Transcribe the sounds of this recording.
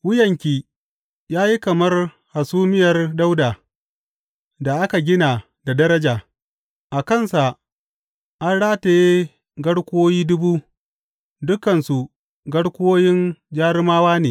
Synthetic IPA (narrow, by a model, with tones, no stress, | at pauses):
wʊ˦jɐ˨ŋkʲiː˨ | jaː˦ji˦kɐ˨mɐ˦r | ha˨suː˦mɪ˦jɐ˨rda˦wdaː˨ | da˨ʔa˦ka˨ɡʲɪ˦na˨ | da˨dɐ˦ɾɐ˦d͡ʒaː˨ | ʔa˨kɐ˦˨nsa˨ | ʔa˦nɽaː˦te˨je˦ | ɡɐ˦ɽkʷoː˦jiː˦dʊ˦buː˦ | dʊ˦kɐ˨nsu˨ | ɡɐ˦ɽkʷoː˦jɪ˦nd͡ʒaː˦ɾɪ˦maː˦waː˦neː˨